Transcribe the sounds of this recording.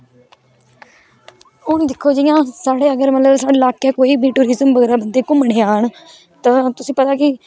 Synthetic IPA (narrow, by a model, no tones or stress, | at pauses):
ʊñd̪ɪkʰːoːd͡ʒɪjãːsaːɽeːəɡəɾmət̪ləbsaːɽelaːkaːkoːiːbʱiːʈuːɾɪzəmʋəɡːɾaːbənd̪eːkʊmɽeːaːəɳ | t̪ãːt̪ʊsĩːpət̪aːkɪ